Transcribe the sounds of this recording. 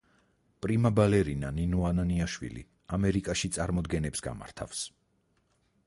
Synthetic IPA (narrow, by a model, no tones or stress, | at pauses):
pʼɾimabalɛɾinaninuananiaʃwḭlḭ | amɛɾikʼaʃit̪sʼaɾmɔd̪ɡɛnɛpsɡa̰ma̰ɾt̪ʰa̰fs